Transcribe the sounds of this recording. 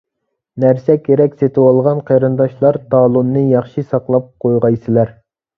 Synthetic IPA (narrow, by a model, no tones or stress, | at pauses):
næɾsɛkʲʰeɾɛkʲset̪ʰɪwɑlˠʁɑnqʰɑɾɨnd̪ɑʃlˠɑɾt̪ɑːlˠunːɨjɑχʃisɑqlˠɑp̚qʰojʁɑjsɪlæɾ